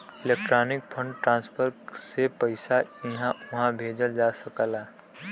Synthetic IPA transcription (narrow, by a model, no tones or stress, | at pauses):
ɪlek̚ʈɾaːnɪk̚pʰə̃ɳɖʈɾãːnspʰəɾsepəɪsaɪɦãʊɦãbʱeːd͡ʒəld͡ʒaːsəkəlaː